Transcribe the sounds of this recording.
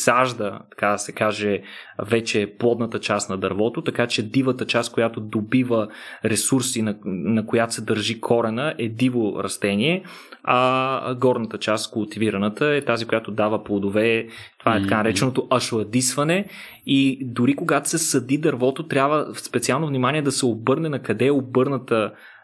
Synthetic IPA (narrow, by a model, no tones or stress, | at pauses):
saʒd̪ət̪ɐ̥kad̪sɛkaʒɛvɛt͡ʃɛplˠɔd̪nət̪ət͡ʃast̪nɐd̪ɐɾvɔt̪ot̪ɐkat͡ʃɛd̪ivət̪ət͡ʃast̪̚kojat̪od̪obivəɾɛsuɾsinnɐkojat̪o̥sɛd̪əɾʒikʰɔɾɛnəʔɛd̪ivoɾɐ̰st̪ɛniɛ | ɐɡɔɾnət̪ət͡ʃast̪kʊlˠt̪iviɾɐnət̪əɛt̪azikojat̪od̪avəplˠod̪ovɛt̪ovaɛt̪ɐkanɐɾɛt͡ʃɛnot̪oʔɐʃoɐd̪isvɐnɛ | id̪ʊɾikoɡat̪o̥sɛsɐd̪id̪ɐɾvɔt̪ot̪ɾʲjabvəspɛt̪sialˠnovnimaniɛd̪ɐsɛobɤɾnɛnɐkɐd̪ɛobɤɾnət̪ə